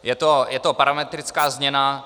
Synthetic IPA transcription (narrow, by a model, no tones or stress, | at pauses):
jɛt̪ojɛt̪opaɾamɛt̪ɾɪt͡skaːzmɲɛna